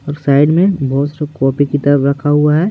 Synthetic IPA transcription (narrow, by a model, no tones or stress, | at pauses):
ɔːɾsaːɪɖmẽbɔːt̪sɾekɔːpikit̪əɾbɾɐkʰaɦuaɦɛː